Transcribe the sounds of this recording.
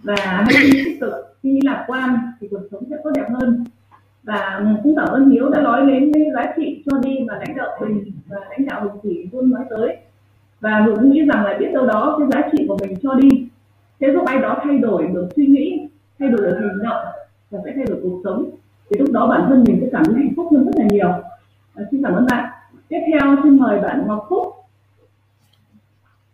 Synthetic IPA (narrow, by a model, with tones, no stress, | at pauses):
vaː˨˩haː˧jt̪i˧t̪ʰi˦˥k̚kɨ˨˩k̚ɗi˧laː˨˩mkwaː˧nt̪ʰi˨˩ku˨˩ək̚sə˨˦wŋ͡msɛ̰˧˥kɔ˨˦ɗɛ˨˩p̚həː˧n | vaː˨˩˨kʊ̰˧˥ŋ͡mt̪aː˧˩wt̪ə˧nhi˨˦əwɗa̰ː˧˥lɔ˨˦jle˨˦nke˨˦zaː˨˦t͡ɕḭ˧˨t͡ɕɔ˧ɗi˧vaː˨˩la̰˧˥jŋ̟ɗə̰˧˨ŋ͡mmï˨˩ŋ̟vaː˨˩la̰˧˥ŋɗa̰ː˧˨whə˨˩wŋ͡mki˧˩˨t͡ɕu˧ənmwaː˨˦jt̪əː˨˦j | vaː˨˩mɨ˨˩˨kŋḭ˧˥za˨˩ŋla̰ː˧˨jɓi˦˥ət̚ɗə˧wɗɔ˨˦kaː˨˦jzaː˨˦t͡ɕḭ˧˨ku˨˩əmï˨˩ŋ̟t͡ɕɔ˧ɗi˧ | se˨˦zʊ˦˥k͡p̚ʔa˧jɗɔ˨˦t̪ʰa˧jɗo˧˩jɗɨ˨˩ək̚swi˧ŋḭ˧˥ | t̪ʰa˧jɗo˧˩jɗɨ˨˩k̚hï˨˩ŋ̟zə̰˧˨ | vaː˨˩faː˧˩t̪ʰa˧jɗo˧˩jku˨˩ək̚sə˨˦wŋ͡m | t̪ʰi˨˩lʊ˦˥k͡p̚ɗɔ˨˦ɓaː˧˩nt̪ʰə˧nmi˨˩nsɛ̰˧˥kaː˧˩mʔə˨˦ha̰˧˩jŋ̟fʊ˦˥k͡p̚hə˧nzə˦˥t̚laː˨˩ɲi˨˩əw | si˧ŋk̬aː˧˩mʔə̰ː˧nɓa̰ː˧˨n | t̪i˦˥əp̚t̪ʰɛ˧wt͡ɕe˧nməː˨˩jɓaː˧˩nhwk͡p̚fʊ˦˥k͡p̚